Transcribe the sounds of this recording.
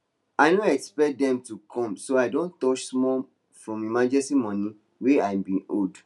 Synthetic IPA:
aɪnõɛkspɛk̚dɛ̃mtukʰɔ̃msoaɪdõntɔt͡ʃsmɔ | fɹɔ̃memãnd͡ʒɛstimɔ̃nĩ | weajbĩold

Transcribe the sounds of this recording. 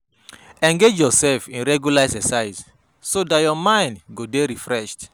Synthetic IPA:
ɛ̃ŋɡed͡ʒjɔsɛlfĩnɹɛɡjulasɛsaɪs | sodajɔmãɪ̃ndɡodeɾifɹɛʃt

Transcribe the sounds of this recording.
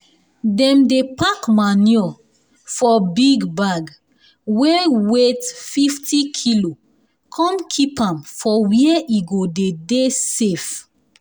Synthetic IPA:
dɛ̃mdepakmaniɔ | fɔbiɡbaɡ | wɛwetfiftʰikʰilo | kʰɔ̃mkʰipãmfɔwiɛʔiɡodedesef

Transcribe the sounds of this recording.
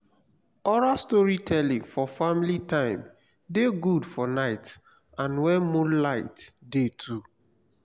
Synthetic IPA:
ɔɾastɔɹitʰɛlĩŋfɔfamilitãɪ̃m | deɡudfɔnaɪt | ãnwɛ̃nmũnlaɪtdetʰu

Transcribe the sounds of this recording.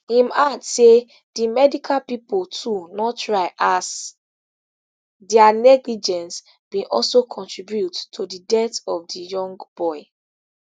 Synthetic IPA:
imadse | d̥imɛdikʰalpipoltʰunɔttɹaɪʔas | dɛanɛɡlid͡ʒɛ̃ns | bĩʔɔ̰lsokʰɔ̃ntʰɹibjuttʰodidɛtɔvdijɔ̃ŋɡb̥ɔɪ

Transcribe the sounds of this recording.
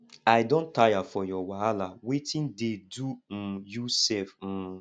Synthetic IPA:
aɪdõntajafɔjɔwaalawetɪ̃ndedum̩jusɛlfm̩

